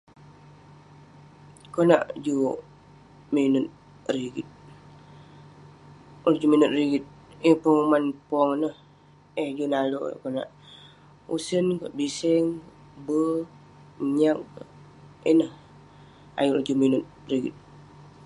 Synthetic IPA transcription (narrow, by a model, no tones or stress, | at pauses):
kona̰ʔd͡ʒu | minʊt̪̚ | riɡit̪̚ | ud͡ʒuminʊt̪̚riɡit̪̚ipoŋumanpɔŋnəh | ed͡ʒunalo̰kona̰ʔ | ṵsənkəʔ̚bisɛŋ | bə | ɲak̚ | inəh | a̰juld͡ʒuminʊt̪̚ | riɡḭt̪̚